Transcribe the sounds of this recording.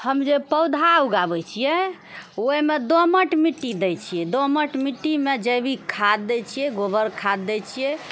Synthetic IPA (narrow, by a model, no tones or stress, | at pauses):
həmd͡ʒepəwd̪ʱauɡabɛt͡ʃʰijɛ | oimed̪oməʈmiʈːid̪ɛjt͡ʃʰijɛd̪oməʈmiʈːimed͡ʒəjbʱikʰad̪ːɛt͡ʃʰijɛɡobʱəɾkʰad̪ːɛt͡ʃʰijɛ